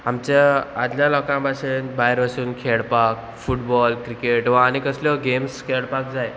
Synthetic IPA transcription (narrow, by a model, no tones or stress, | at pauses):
amt͡ɕaad̪ljãlɔkãpaɕenbaɦeɾʋaɕuːnkʰeɭpak̚ | fuʈbɔlkɾikeʈʋaaɽ̃ikəsljɔɡemskʰeɭpak̚d͡zaj